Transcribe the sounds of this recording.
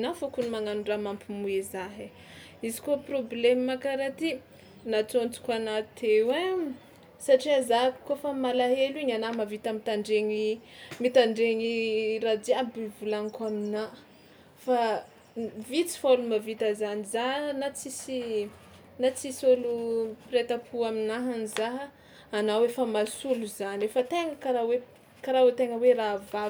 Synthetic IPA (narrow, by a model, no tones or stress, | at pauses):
nafokunimaŋanuɳɖ͡ʐamampimuezaɦe | izi̥koproblemmakaɾat̪i | nat͡sont͡su̥kanat̪ʰewe | saʈ͡ʂiazakkofamalaɦeliɲanamavit̪amit̪aɳɖ͡ʐeɲimit̪aɳɖ͡ʐeɲiradiabivulaŋkamina | fa | vit͡si̥folumavit̪əzanizaɦnat͡sisi | nat͡sisolupiɾet̪apʰuaminaɦanizaɦəː | nawefəmasuluzanefət̪eŋəkaɾawe | kaɾawet̪eŋəwerava